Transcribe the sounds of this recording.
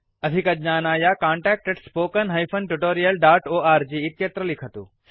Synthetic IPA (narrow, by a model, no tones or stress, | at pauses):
ɐd̪ʱikɐd͡ʒnaːnaːjakaːɳʈɛːk̚ʈeɖspoːkənɦɐjfʰɐnʈuʈoːɾijɐlɖaːʈoːaːɾd͡ʒiːt̪jɐt̪ɾəlikʰət̪ṵː